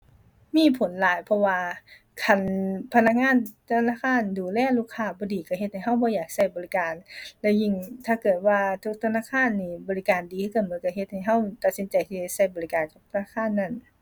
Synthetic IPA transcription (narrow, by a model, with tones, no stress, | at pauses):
miː˧˥˨pʰo˨˦nlaː˨˦jpʰɔ˧waː˧ | kʰa˧˩npʰa˧na˧˥k̚ŋaː˧˥˨nt̪ʰa˧naː˧˥˨kʰaː˧˥˨nduː˨˩lɛː˧˥˨luː˧˩kʰːaː˧˩bɔː˧˦diː˨˩ka˧˩ɦe˧t̪̚ha˨˩jɦa˧˥˩wbɔː˧˦jaː˨˩k̚sa˧˩jbɔː˨li˦˧˥kaː˨nlɛː˧˥˩wji˧˨ŋt̪ʰaː˧˩kɤː˨˩t̪̚waː˧t̪ʰu˧˥k̚t̪ʰa˧naː˧˨kʰaː˧˥˨nːiː˧˩bɔː˨˧li˦˧kaː˨ndiː˨ɯ˧˥ka˧˩mɯ˨˦nka˧˩ɦe˧t̪̚ha˨˩jɦa˧˥˩wt̪a˨t̪̚si˨˦nt͡ɕa˨jt̪ʰiː˧˩a˧˩sa˧˩jbɔː˨li˧kaː˨nka˨˧˩p̚t̪ʰa˧naː˧˥˩kʰaː˧˥˨nːa˧˥˨n